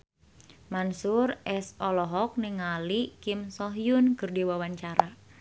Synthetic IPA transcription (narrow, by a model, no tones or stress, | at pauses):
mansurɛsɔlɔɦɔk̚nɪŋalikimsɔɦjʊnkərdiwawaɲt͡ʃaɾa